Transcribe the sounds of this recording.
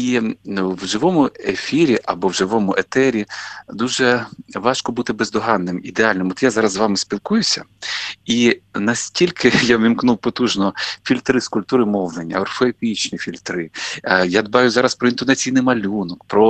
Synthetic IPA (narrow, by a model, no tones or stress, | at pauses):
iwʒɪʋɔmʊefʲiɾʲiʔɐ̰bɔwʒɪʋɔmʊʔet̪ɛɾʲid̪uʒɛʋɑʃkɔbut̪ɪbezd̪ɔɦɑnːɪmid̪eɑlʲnɪmɔt̪jazɑɾɐzzʋɑmɪspʲilˠkujʊsʲɐ̰inɐsʲtʲilʲkʰɪjaʋʲimknuwpɔt̪uʒnɔfʲilʲt̪ɾɪskʊlʲp̚t̪uɾɪmɔʋlˠenʲːɐ̰ɔrfɔepʲit͡ʃnʲifʲilʲt̪ɾɪjad̪bɑjʊzɑɾɐspɾɔint̪ɔnɐt͡sʲijnɪjmɐlʲunɔkpɾɔ